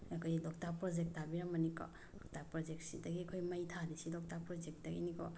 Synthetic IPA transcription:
akʰojlɔk̚tapɾɔd͡ʒek̚tabiɾamɐnikɔ̰ | lɔk̚tapɾɔd͡ʒek̚sidɐɡiɐkʰojmajtʰadisilɔk̚tapɾɔd͡ʒek̚dɐɡḭnikɔ

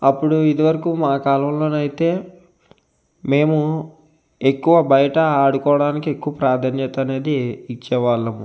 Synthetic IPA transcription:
ɐpːuɽuid̪iʋɐɾɐkuːmaːkaːlɐmlo̞ːnɐjit̪e̞ː | me̞ːmu | ekːuʋɐbɐjɐʈɐːɽukɔːɐɽaːnikie̞kːuʋɐpɾaːd̪ʱanjɐt̪ɐɐne̞ːd̪iːt͡ʃːɛʋaːlːɐmu

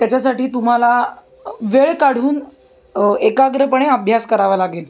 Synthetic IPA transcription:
t̪jat͡ɕasaʈiːt̪um̤ala | ʋeɭkaɽ̤uːn | ekaɡɾəpəɳ̃eəbʱjaskəɾaʋalaɡiːl

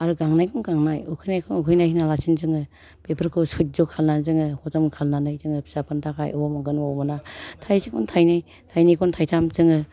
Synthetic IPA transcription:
aɾuɡaŋnajkʰɔnɡaŋnajukʰɯjnajkʰɔŋukʰɯjnajhinalasʰinzɯŋɯ | pepʰɯɾkʰɯsut̚zɔkʰalnanzɯŋɯhɔzɔmkʰalnanɯjzɯŋɯpʰi̥sapʰɯntʰaka̰jɔwɔmɔŋɡɯnwawbɔnatʰajsikʰuntʰajnɯj | tʰajnajkʰɔntʰajtʰamzɯŋɯ

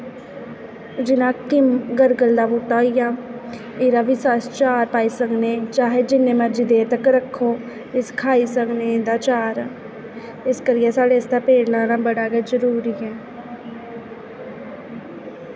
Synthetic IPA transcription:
d͡ʒɪnãːkɪmɡəɾɡəld̪aːbuːʈːaːjãː | eːɾaːʋɪsaːst͡ʃaːɾpaːiːsəkneːt͡ʃaːɦeːd͡ʒɪnːẽːməɾd͡ʒiːd̪eːt̪əkɾəkʰːoː | ɪskʰaːiːsəknẽːnd̪aːt͡ʃaːɾː | ɪskəɾɪːɛːsaːɽeɪsd̪aːpeːɾnãːnãːbəɽaːɡəzəɾuːɾiːɛː

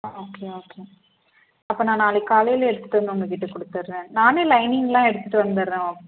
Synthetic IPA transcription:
oːkeːoːkeː | ɐpːoːnãːnaːlɛkaːlɐjɪlɛɽɯt̪ːɯ̥ʈːɐnːɔŋɡɐkɪʈːɯkːɔɽɯt̪ːɐɾɯɾẽːnaːneːlɐɪnɪŋɡlãːɛɽɯt̪ːɯʈːɯʋɐnd̪ɐɾɾẽːoː

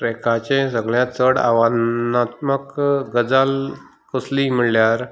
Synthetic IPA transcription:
pɾekʰat͡ɕẽsəɡɭjãt͡səɽa̰ʋannat̪məkɡəd͡zal | kəslimiɭljaɾ

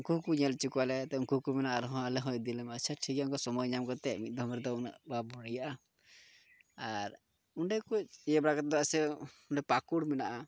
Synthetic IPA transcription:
uŋkuɦkuɲɛlt͡ʃikualɛt̪ɛuŋkuɦkumɛnaʔaɾɦɔ̃alɛɦɔ̃jd̪ilɛmat͡ʃʰɛʈʰikauŋkɔsɔmɔjɲamkɔt̪ɛmit̪̚d̪ʱɔmɾɛd̪ɔuna̰ʔbabɔɽijaʔa | aɾ | uɳɖɛkuɛbɽakat̪̚d̪ɔasɛuɳɖɛpakuɽmɛnaʔa

